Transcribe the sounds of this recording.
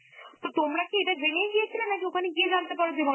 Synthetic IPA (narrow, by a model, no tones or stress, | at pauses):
t̪ot̪omɾakeeʈaɡʱɾenieɡijet͡ɕʰilenːakiokʰaneɡied͡ʑant̪epaɾod͡ʑebʱɔ